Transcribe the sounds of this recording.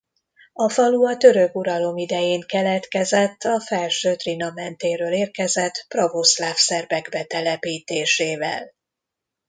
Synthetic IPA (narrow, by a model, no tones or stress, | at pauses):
ɒfɒluɒt̪ø̞ɾøɡuɾɒlo̞mid̪ɛjeːŋkɛlɛt̪kɛzɛt̪ːɒfɛlʃøːt̪rinɒmɛnt̪eːɾøːleːrkɛzɛt̪provoslaːfsɛrbɛɡbɛt̪ɛlɛpiːt̪eːʃeːvɛ̰l